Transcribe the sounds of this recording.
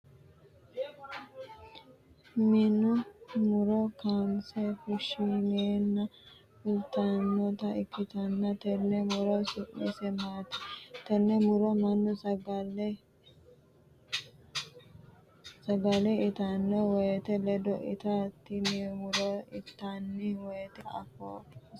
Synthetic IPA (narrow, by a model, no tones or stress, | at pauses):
mɪnʊmʊɾɔkaːmsɛfʊʃːineːnːɐ | fʊlt̪ɐnːɔt̪ɐɪkʰːɪt̪ɐnːɐt̪ɛnːɛmʊɾɔsʊʔmɪsɛmaːt̪ɛ̥t̪ɛnːɛmʊɾɔmɐnːɔsɐɡɐlɛ | sɐɡɐlɛɪt̪ɐnːɔwɔjɛt̪ɛlɛd̪ɔʔɪ̰t̪ɐt̪ːɪnɪmʊɾɔɪt̪ːanːɪwɔjɛt̪ɛɐ̰fo